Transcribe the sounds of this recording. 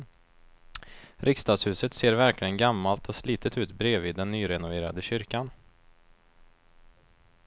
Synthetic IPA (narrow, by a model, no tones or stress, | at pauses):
ɾʔɪkst̪ɑːɡ̪shʉ̟ːsət̪seːɾvæɾklɪɡənɡamːalt̪ʰɔsliːt̪ʰət̪ʉ̟ːt̪bɾeːvɪːd̪ːɛnːyːɾɛnʊveːɾa̰d̪əɕʏɾkan